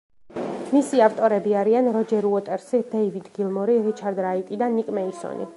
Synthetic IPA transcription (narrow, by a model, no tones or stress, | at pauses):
misiaft̪ʼɔɾɛbiaɾianɾɔd͡ʒɛɾuɔt̪ʼɛɾsid̪ɛivid̪ɡilˠmɔɾiɾit͡ʃʰaɾd̪ɾait̪ʼid̪anːikʼmɛisɔ̰nḭ